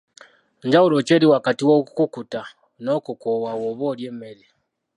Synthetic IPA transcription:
ɲd͡ʒawulot͡ʃeːɾiwakatiwokukuta | nokukowawoβoljeːmele

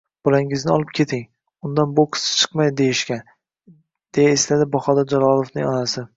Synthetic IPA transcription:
b̥ɒlaŋɪznɪɒlˠɪp̚kʲʰe̞t̪ʰɪŋ | ʊnd̪anboqʰɨ̥sɪ̥t͡ʃʰɨ̥qmajd̪e̞jɪʃkʲan | d̪̥e̞jaeslad̪ɪbɒχɒd̪ad͡ʒalɒlˠofnɪŋɒnasɪ

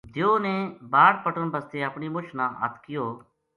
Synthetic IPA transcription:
d̪ʱjoːnẽːbaːɽpəʈənbəst̪eːəpɳiːmʊt͡ʃʰnãːʔə̰t̪ʰkɪjoː

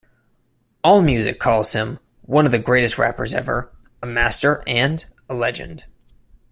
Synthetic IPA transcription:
ɔlˠmjʉzɨ̰kʰɔlˠz̥hɪ̃m | wʌ̃nʌvðɨɡɹeɪɾɨst̚ɹæ̰pə̰˞zɛ̰və̰˞ | əmæstə˞ʔɨ̃ndəlɛd͡ʒɨ̰̃nd̥

